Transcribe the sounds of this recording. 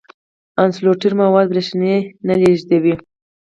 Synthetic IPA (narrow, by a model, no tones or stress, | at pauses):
ansloʈiɾmawɑd̪̚bɾeʃnenaleʒd̪awi